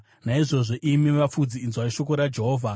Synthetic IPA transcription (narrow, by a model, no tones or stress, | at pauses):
naiʐo̞ʐo̞ʔimimap͡fud͡ziːnzwaiʃo̞koɾad͡ʒe̞ɦoːvʱa